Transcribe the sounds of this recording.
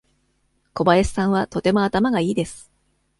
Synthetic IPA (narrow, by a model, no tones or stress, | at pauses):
ko̞baesi̥sãɰ̃βat̪ot̪e̞mo̞at̪amaɡaiːd̪e̞sɨ̥